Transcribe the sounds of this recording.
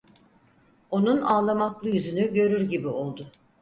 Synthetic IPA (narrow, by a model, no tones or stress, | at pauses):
o̞nunaːlˠamaklˠɯjyzynyɟø̞ɾyɾɟibio̞lˠd̪ʊ